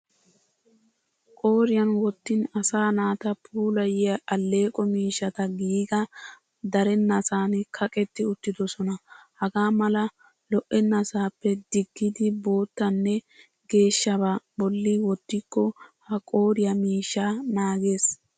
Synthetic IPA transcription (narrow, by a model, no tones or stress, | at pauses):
kʼo̞ːɾɪjɐnwɔt̪ːɪnɐsaːnaːt̪ɐpʰuːlɐjɪɐʔɐlːe̞ːkʼɔmiːʃːɐt̪ɐɡiːɡɐ | d̪ɐɾɛnːɐsaːnɛkʰɐkʼɛt̪ːɪʊt̪ːɪd̪ɔsɔnɐhɐɡaːmɐlɐ | lɔʔɛnːɐsaːpːɛd̪ɪɡːɪd̪ɪbo̞ːt̪ːɐnːɛ | ɡe̞ːʃːɐbabɔlːɪwɔt̪ːɪkːɔhɐkʼo̞ːɾɪjɐmiːʃːaːnaːɡe̞ːs